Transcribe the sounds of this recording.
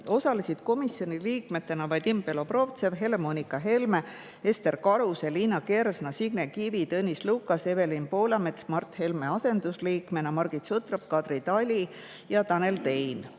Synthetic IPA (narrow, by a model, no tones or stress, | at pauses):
o̞sɑlisid̪̥ko̞misjo̞nʲiliːkme̞t̪ːe̞nɑvɑjd̪impe̞lo̞pro̞vt̪se̞vɦe̞le̞mo̞nʲikɑɦe̞lme | e̞st̪e̞rkɑɾuseliːnɑke̞ɾsnɑsiɡnekivit̪ɤnʲislukːˑɑse̞ve̞linpo̞ːlɑmet̪smɑrt̪he̞lmeɑse̞nd̪̥usliːkme̞nɑmɑrɡ̥it̪sut̪rɑp̚kɑd̪rit̪ɑlʲi | jɑt̪ɑne̞lt̪e̞jn